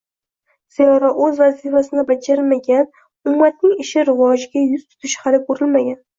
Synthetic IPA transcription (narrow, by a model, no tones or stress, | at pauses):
z̥ijɒɾaɵzvazifasɪnɪbad͡ʒaɾɪmaɡʲan | ʊmmːat̪̚nɪŋɪʃɪɾɪvɒʒɪɡʲajʊz̥t̪ʰʊ̥t̪ʰɪʃhalɪkʰɵɾɪlmaɡʲan